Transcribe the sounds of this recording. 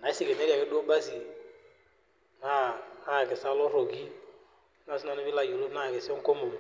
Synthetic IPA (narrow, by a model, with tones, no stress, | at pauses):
na˨˦si˨ke˨ne˦ka˨ke˦do˦ba˦si˨ | na˦a˦˨kɪ˨sa˦lo˦ɾo˨ɡi˦ | na˦˨si˦na˨nɪ˦bɪ˦la˨jo˨lo˦na˦˨ke˨sɔ˦ŋko˦mo˨